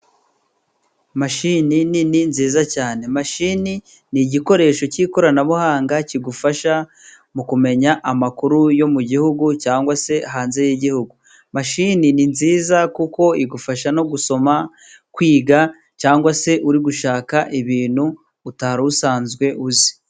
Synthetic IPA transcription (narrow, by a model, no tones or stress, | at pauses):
maʃininininziːzacaːne̞maʃini | niɟiko̞ɾe̞ːʃo̞ciːko̞ɾanaβuhaːŋɡaciɡufaʃa | mukume̞ɲaʔamakuɾujo̞muɟihuɡucaːŋɡwase̞aɦaːnze̞jiɟihuɡu | maʃinininziːzakuko̞iɡufaʃano̞ɡuso̞ma | kwiːɡa | caːŋɡwase̞ʔuɾiɡuʃaːkaʔiβiːn̤̥huː | taɾausaːnzɡwe̞ʔuzi̥